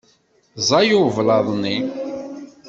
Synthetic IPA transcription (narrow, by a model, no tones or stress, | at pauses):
zˤɑjuvlɑðˤni